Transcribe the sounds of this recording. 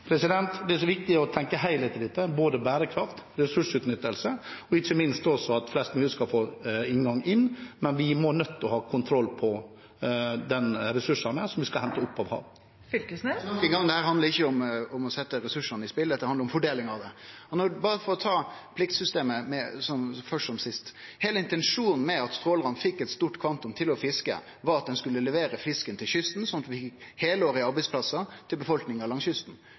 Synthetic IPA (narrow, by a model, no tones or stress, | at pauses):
pʰɾɛsɪd̪ɛnt̪d̪ɛæʂɔʋɪk̚t̪ɪɔt̪ʰɛŋkəhæɪlɛt̪ʰɪld̪ɛt̪ːəboːd̪əbæːɾəkʰɾɑft̪ɾɛsʉʂʉːt̪nʏt̪ːəlsəɔɪçːəmɪnst̪ɔsɔɑt̪flɛst̪myːəskɑlfoːɪŋɡɑŋːɪnːmɛnʋɪmɔnœt̪ːɔhɑːkʰʊnt̪ʰɾɔlːpʰɔ | d̪ɛnɾɛsʉʂɑnəsɔmʋɪskɑlhɛnt̪əʊpːɑʋhɑ̰ːʋ | fʏlkəsnɔkːəɡɑŋd̪ɛhæːɾhɑnd̪əɾɪçːəɔmɔmɔsɛt̪ːəɾɛsʉʂɑnəɪspɪlːət̪d̪ɛhɑnd̪ɾʊmfɔɖeːlɪŋɑʋd̪ɛɔnɔbɑːɾəfɔɾɔt̪ʰɑːpʰlɪkt̪sʏst̪eːməmɛsɔmfœʂʈɔmsɪst̪heːləɪnt̪ɛnʂuːnn̩mɛɑt̪st̪ɾoːləʁɑnfɪkːɛt̪st̪uːʈkʰʋɑnt̪ʊmt̪ʰɪlɔfɪskə̰ | ʋɑɾɑt̪̚d̪ɛnskʉlːəlɛʋeːɾəfɪskənt̪ʰɪlçʏst̪n̩sɔnɑt̪ʋɪfɪkheːləoːɾəɪɑɾbæɪspʰlɑsɑt̪ʰɪlbəfɔlknɪŋɑʋlɑŋsʏst̪n̩